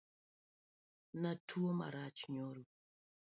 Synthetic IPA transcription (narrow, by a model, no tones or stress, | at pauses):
natʰuoma̰ɾat͡ʃi̥ɲoɾu